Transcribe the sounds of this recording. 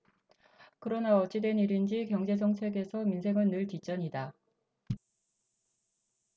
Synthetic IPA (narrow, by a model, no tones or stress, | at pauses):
kɯɾʌnaʌt͡ɕ͈ʰidwe̞niɾind͡ʑikjʌŋd͡ʑe̞s̬ʰʌŋt͡ɕʰe̞ɡe̞sʰʌminsʰe̞ŋɯɭnɯɭtit͡ɕ͈ʌɲida